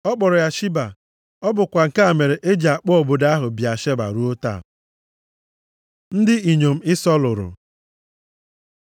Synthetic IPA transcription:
ɔ˦k͡pɔ˨ɾʊ˨ja˦ʃi˦ba˨ | ɔ˦bʊ˨kʷa˨ŋ̩˨ka˦a˨me˨ɾe˨ʔe˦d͡ʒa˨k͡pɔ˦o˨bʊ˨da˦ɦʊ˨bja˨ʃe˦ba̰˨ɾu˦o˦ta̰˦˨ | n̩˦dɪ˦i˨ɲo˨m̩˦ɪ˦sɔ˦lʊ˨ɾʊ̰˨

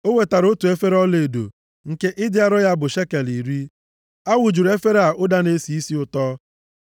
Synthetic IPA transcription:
o˦we˨ta˨ɾo˦tu˨e˦fe˦ɾɔ˦le˨e˨do̰˨ | ŋ̩˨ke˦ʔɪ˦dɪ˦a˦ɾɔ˦ja˦bʊ˨ʃe˦ke˨li˨ɾi˦ | a˦wʊ˨d͡ʒu˨ɾe˦fe˦ɾa˨ʔʊ˦da˦ne˦si˨i˦si˦ʊ˨tɔː˦

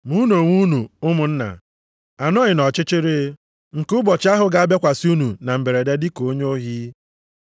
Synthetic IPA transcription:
mu˦no˨ŋʷu˦nu˨ʊ˦mʊ˨n̩˦na̰˨ | a˨nɔ˦ɲɪ˨nɔ˨t͡ʃɪ˦t͡ʃɪ˦ɾɪ˦ | ŋ̩˨kʊ˦bɔ˨t͡ʃɪ˦a˦ɦʊ˨ɡa˦a˦bje˦kʷa˨si˦u˦nu˨na˨m̩˨be˨ɾe˨de˦dɪ˦ko˦ɲ˦o˦ɦi˦

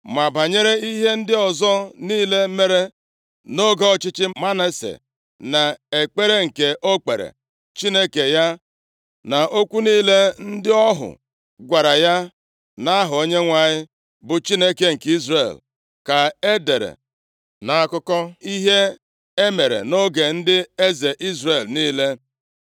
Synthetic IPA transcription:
ma˨ba˨ɲe˦ɾe˦i˦ɦe˦n̩˦dɪ˦ɔ˨zɔ˦niː˦le˦me˦ɾe˦ | no˦ɡɔ˦˨t͡ʃɪ˦t͡ʃɪ˦ma˦na˦sḛ˨ | na˨e˨k͡pe˦ɾe˦ŋ̩˨ke˨ʔo˦k͡pe˨ɾḛ˨ | t͡ʃi˦ne˦ke˨ja˦ | na˨ʔo˦kʷu˦niː˦le˦n̩˦dɪ˦ɔ˦ɦʊ̰˨ | ɡʷa˨ɾa˨ja˦ | na˦a˦ɦʊ˨o˦ɲe˦ŋʷa˦˨ɲɪ˦ | bʊ˨t͡ʃi˦ne˦ke˦ŋ̩˨ki˦zɾḛ˨l | ka˨e˦de˨ɾḛ˨ | na˨a˦˨kʊ˦kɔ˦i˦ɦe˦ | e˦me˨ɾḛ˨no˦ɡe˨n̩˦dɪ˦e˦ze˨ʔi˦zre˨lniː˦le˦

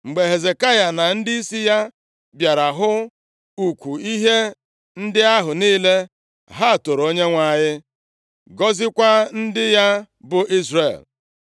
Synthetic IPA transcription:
ŋ͡m̩˨ɡ͡be˨ɦe˨ze˨ka˦ja˨na˨n̩˦di˦i˦si˦ja˦ | bja˨ɾa˨ɦʊ˦ | u˨kʷu˨i˦ɦe˦ | n̩˦dɪ˦a˦ɦʊ˨niː˦le˦ | ɦa˦˨to˨ɾo˦ɲe˦ŋʷa˨ɲɪ˦ | ɡɔ˦zɪ˦kʷa˦n̩˦dɪ˦ja˦ | bʊ˨ʔi˦zre˨l

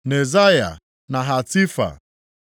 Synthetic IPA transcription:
ne˨za˦ja̰˨ | na˨ɦa˨ti˦fa̰˨

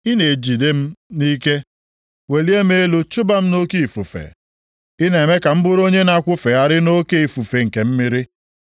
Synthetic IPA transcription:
ɪ˦ne˨d͡ʒi˨de˦m̩˦ni˦ke˦ | we˨li˦e˦m˦e˦lu˦t͡ʃʊ˦ba˦m̩˦no˦ki˦˨fu˨fḛ˨ | ɪ˦ne˨me˦ka˨m̩˦bʊ˦ɾo˦ɲe˦na˦˨kʷʊ˦fe˨a˦ɾɪ˦no˦ke˦i˨fu˨fe˨ŋ̩˨ke˨m̩˦mɪ˦ɾɪ˦

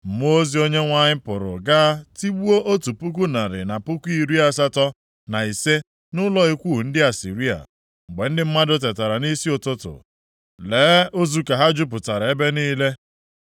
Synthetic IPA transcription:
m̩˨m˦o˦zi˦o˦ɲe˦ŋʷa˦ɲɪ˦pʊ˨ɾʊ̰˨ɡaː˦ti˦wu˦o˦ʔo˦tu˨pu˦k̬u˦na˨ɾɪ̰˨na˨pʊ˦kʷu˦i˦˨ɾi˦a˦s̬a˦tɔ˦ | na˨i˨se˦ | nʊ˦lɔ˦i˦kʷu˦˨n̩˦dɪ˦a˨sḭ˨ɾi˦a̰˨ | ŋ͡m̩˨ɡ͡be˨n̩˦dɪ˦m̩˦ma˦dʊ˦t̬e˨ta˨ɾa˨ni˦si˦ʊ˨tʊ˦tʊ̰˨ | leː˨˦o˦zu˦ka˨ɦa˦d͡ʒʊ˦p̬ʊ˨ta˨ɾa˨e˦be˦niː˦le˦

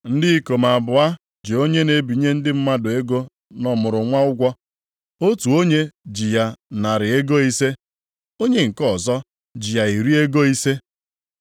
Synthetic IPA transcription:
n̩˦dɪ˦i˦ko˨ma˨bʊ˨a˦ | d͡ʒi˨o˦ɲe˦ne˨bi˨˦ɲe˦n̩˦dɪ˦m̩˦ma˦dʊ˨e˦ɡo˦ | nɔ˨mʊ˨ɾʊ˨ŋʷa˦ʊ˦ɡʷɔ˦ | o˦tu˨o˦ɲe˦d͡ʒi˨ja˦na˨ɾɪ˨e˦ɡo˦i˦se˦ | o˦ɲe˦ŋ̩˨kɔ˦˨zɔ˦ | d͡ʒi˨ja˨i˨ɾi˦e˦ɡo˦i˦se˦

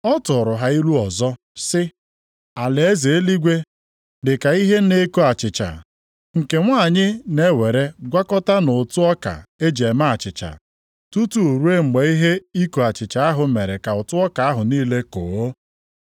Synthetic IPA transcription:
ɔ˦tʊ˨ɾʊ˨ɦa˨i˦lu˦ɔ˨zɔ˦ | sɪ˦ | a˨le˨e˦ze˨e˦li˦ɡʷe˦ | dɪ˨ka˨i˦ɦe˦ne˦ko˦a˨t͡ʃɪ˨t͡ʃa̰˨ | ŋ̩˨ke˨ŋʷa˦˨ɲɪ˦ne˦we˨ɾe˦ɡʷa˦kɔ˦ta˦nʊ˨tʊ˦ɔ˦ka̰˨e˦d͡ʒe˨ma˦a˨t͡ʃɪ˨t͡ʃa̰˨ | tu˦tu˦u˨ɾu˦e˦˨ɡ͡be˨i˦ɦe˦i˦ko˨a˨t͡ʃɪ˨t͡ʃa˨a˦ɦʊ˨me˨ɾe˨ka˨ʊ˨tʊ˦ɔ˦ka˨a˦ɦʊ˨niː˦le˦ko˨o˦

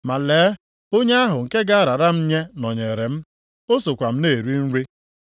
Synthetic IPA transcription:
ma˨leː˨˦ | o˦ɲe˦a˦ɦʊ˨ŋ̩˨ke˦ɡa˦a˦ɾa˨ɾa˦m̩˦ɲe˦nɔ˨ɲe˨ɾe˨m̩˦ | o˦so˨kʷa˨m̩˦ne˦˨ɾi˦n̩˦ɾi˦

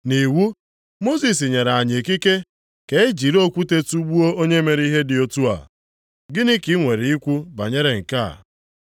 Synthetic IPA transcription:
ni˨wu˦ | mo˦si˨s̬i˨ɲe˨ɾa˨ɲe˨ki˦ke˦ | ke˨e˦d͡ʒi˨ɾo˦kʷu˦te˦tu˦ɡ͡bu˦o˦o˦ɲe˦me˨ɾi˦ɦe˦dɪ˨o˦tu˦a̰˨ | ɡɪ˦nɪ˦ki˦ŋʷe˨ɾe˨i˦kʷu˦ba̰˨ɲe˦ɾe˨ŋ̩˨ka̰˦˨

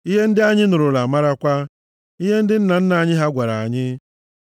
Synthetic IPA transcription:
i˦ɦe˦n̩˦dɪ˦a˦ɲɪ˦nʊ˨ɾʊ˨la˨ma˦ɾa˦kʷa˦ | i˦ɦe˦n̩˦dɪ˦n̩˦na˨n̩˦na˨ɲɪ˦ɦa˦ɡʷa˨ɾa˨a˨ɲɪ˦

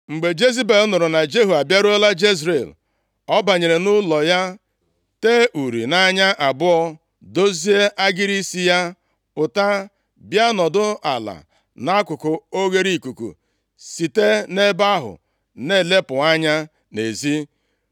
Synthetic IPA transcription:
ŋ͡m̩˨ɡ͡be˨d͡ʒe˦zi˦be˨lnʊ˨ɾʊ˨na˨d͡ʒe˦ɦu˨a˨bja˦ɾo˦la˦d͡ʒe˦zɾe˨l | ɔ˦ba˨ɲe˨ɾe˨nʊ˦lɔ˨ja˦ | te˦ʔu˨ɾḭ˨na˦ɲa˦ʔa˨bʊ˦ɔ˦ | do˦zi˦e˦ʔa˦ɡɪ˦ɾi˦si˦ja˦ | ʊ˨ta˦ | bja˦nɔ˨dʊ˦a̰˨la̰˨ | na˦kʷʊ˨kʊ˨o˦ɡe˦ɾi˦˨ku˨kṵ˨ | si˨te˦ne˦ba˦ɦʊ̰˨ | ne˦˨le˦pʊ˨a˦ɲa˦ | ne˨zi˦

